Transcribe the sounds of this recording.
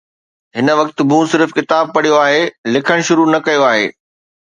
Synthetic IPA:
ɦɪnə̆ʋɐkt̪bũːsɪɾfkɪt̪aːb̚pɐɽ̤ijoaːɦeːlɪkʰəɽ̃ʃʊɾunɐkɐjoaːɦḛː

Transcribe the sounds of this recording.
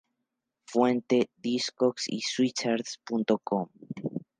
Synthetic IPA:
fwent̪eðiskoksḭswit͡ʃaɾspunt̪o̞kʰom

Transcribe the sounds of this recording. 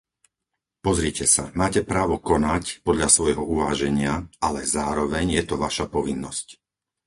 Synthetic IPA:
pɔzɾiːcɛsamaːcɛpɾaːʋɔkɔnacpɔd̪ʎasʋɔjɦɔuʋaːʒɛɲɪaalɛzaːɾɔʋɛɲjɛt̪ɔʋaʃapɔʋinːɔsc

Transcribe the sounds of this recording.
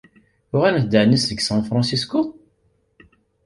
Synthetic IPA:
ʊʁænθd̪aʕnisðəɡsæ̃fɾɑ̃sisko

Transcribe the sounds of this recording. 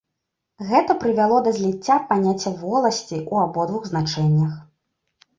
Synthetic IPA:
ɣɛt̪ɐpɾɨvʲalˠɔd̪ɐzʲlʲit͡sʲːapanʲat͡sʲːɐvɔlˠɐsʲt͡sʲiʔuabɔd̪vuɣznat͡ʂɛnʲːɐx

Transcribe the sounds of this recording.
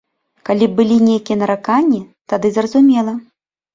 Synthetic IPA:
kalʲibɨlʲinʲejkʲijɐnɐɾakanʲːit̪ad̪ɨzrɐzumʲɛlˠɐ

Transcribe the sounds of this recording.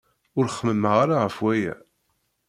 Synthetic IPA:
ʊɾχːməmːəʁaɾaʁəfwæjæ̰

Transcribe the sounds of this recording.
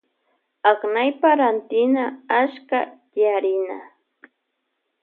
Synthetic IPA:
aknajpaɾant̪ɪnaaʃkat̪jaɾɪna̰

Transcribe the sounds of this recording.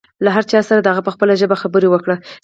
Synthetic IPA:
laɦaɾt͡ʃɑsaɾad̪əɦaɣapəxpəlaʒəbaxabəɾewəkɽa

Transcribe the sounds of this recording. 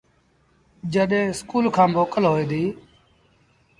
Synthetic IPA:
d͡ʒəɗẽːskuːlkʰãːmoːkəlɦoːeːd̪iː

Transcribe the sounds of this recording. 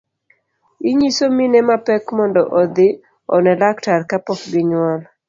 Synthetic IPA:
iɲisominɛmapɛkmɔndɔʔɔd̪ɪ | ɔnɛlaktarkapɔkɡɪɲʊwɔl

